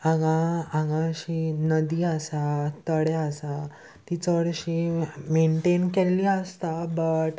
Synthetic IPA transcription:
ãŋɡaãŋɡãɕinəd̪iːəsat̪əɽeəsa | t̪it͡səɽɕimeɳʈenkelːiəst̪abəʈ

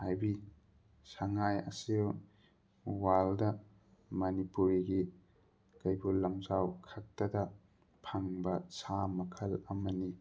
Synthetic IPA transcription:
hajbi | sɐŋajɐ̰sew | waldɐ | mɐnipuɾiɡi | kɐjbulɐmzawkʰɐk̚tɐdɐ | pʰɐŋbɐsamɐkʰɐlɐmɐni

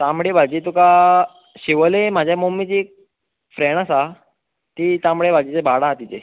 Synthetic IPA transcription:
t̪amɽebʱad͡ʑit̪uka | ɕiʋəlem̤ad͡ʑʱjamomit͡ɕiːk̚ | fɾeɳ̃asa | t̪iːt̪amɽebʱad͡ʑit͡sebʱaɽat̪it͡se

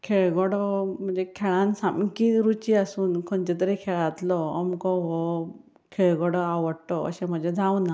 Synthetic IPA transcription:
kʰeɭɡɔɽɔm̤ənd͡zekʰɛɭãnsamkiɾut͡ɕiasuːnkʰɔɲt͡ɕet̪̬əɾekʰeɭat̪lɔəmkɔɦɔ | kʰeɭɡɔɽɔaʋəɽʈɔə̰ɕẽm̤əd͡ʑed͡zʱawna

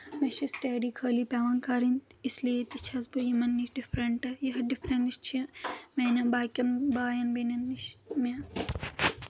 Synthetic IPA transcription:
mɐʃisʈeːɖiːkʰəːliːpʲaːʋɐnkaːɾint̪isliet̪it͡ʃʰɐzbujimɐnːiʃɖifɾɐɳʈɐjɐɦɐɖifɾɐɳiʃt͡ʃʰimeːnɐbaːkʲɐnbaːjɐnbenɐnːiʃme

